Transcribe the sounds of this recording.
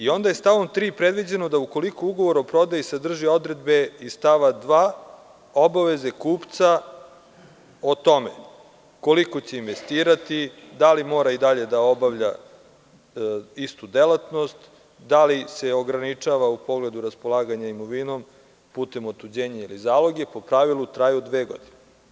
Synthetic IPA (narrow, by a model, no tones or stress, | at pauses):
io̞nd̪aje̞st̪aʋo̞mt̪ɾiːpɾe̞d̪ʋid͡ʑeno̞d̪auko̞likouɡo̞ʋo̞ɾo̞pɾo̞d̪ajisad̪r̩ʒio̞d̪ɾe̞d̪be̞ist̪aʋad̪ʋaː | obaʋe̞zekuːpt̪sa | ot̪o̞mḛ | ko̞liko̞t͡ɕe̞inʋe̞st̪iːɾat̪i | d̪alimo̞ːɾaid̪aʎe̞d̪ao̞baʋʎa | ist̪ud̪elat̪no̞st̪ | d̪aliseo̞ɡɾanit͡ʃaʋaupo̞ɡle̞d̪uɾaspo̞lˠaːɡaɲaimo̞ʋino̞m | puːt̪e̞mot̪ud͡ʑeːɲeilizaːlˠo̞ɡepo̞pɾaʋilˠut̪ɾaːjud̪ʋeːɡo̞̰d̪ine